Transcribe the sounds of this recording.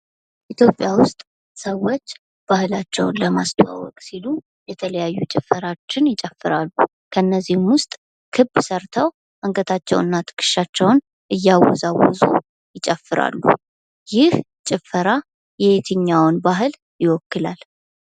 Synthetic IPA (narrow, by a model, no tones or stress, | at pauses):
ʔit̪ʰjo̞pʼːjawʊst̪ʼ | səwo̞t͡ʃː | b̥ahɨlat͡ʃːɛ̰wnləmast̪ʰwa̰wɔ̰kʼsilu | jɛt̪ʰələjajːut͡ʃʼɪfəɾat͡ʃːɪnjɪt͡ʃʼəfːɨɾalːu | kʰəɨnːəzːihɨmwʊst̪ʼ | kʰɨbsəɾt̪ʰəw | ʔaŋkət̪ʰat͡ʃːɛ̰wɨnːat̪ʰɨ̥kʰʼɨ̥ʃat͡ʃːɛwn | ʔɨjːawɔ̰zawɔ̰zṵ | jɪt͡ʃʼəfːɨɾa̰lːṵ | jɪh | t͡ʃʼɪfəɾa | jɛet̪ʰɨɲːawnbaɦɨl | jɪwɔkːɨlal